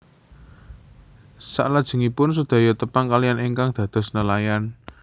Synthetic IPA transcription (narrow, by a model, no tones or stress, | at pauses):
sa̰ʔlad̥ʒ̥ə̤ŋipʊns̬ud̪̥a̤jot̪əpaŋkalijaneŋkaŋd̪̥ä̤d̪̥ɔ̤snəlajan